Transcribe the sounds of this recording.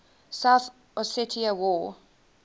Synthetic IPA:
saʊθ | ɔsɪtʰiəwɔ

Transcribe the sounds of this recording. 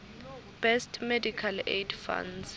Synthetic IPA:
b̥ɛstʰmedikʰalḛdfa̰ns

